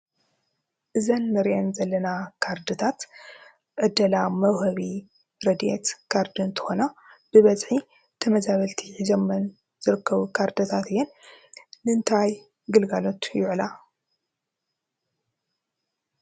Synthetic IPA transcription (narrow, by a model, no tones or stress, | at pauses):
ʔɨzɐnːɨɾʔɐnzɐlːɐnakʰaɾd̪ɨt̪ʰat̪ | ʕɨd̪ːɐlamɐwhɐβi | ɾɐd̪ḛt̪kʰaɾd̪ɨnt̪ʰɨ̥xonab̥ɨβɐzʼħi | t̪ʰɐmɐzaβɐlt̪ʰiʕizɐmːɐn | zɨɾɨkʰːɐβukʰaɾd̪ɐt̪ʰat̪ɨjːɛnː | ɨɨnt̪ʰaj | ɡɨlɡalo̞t̪jʊʕla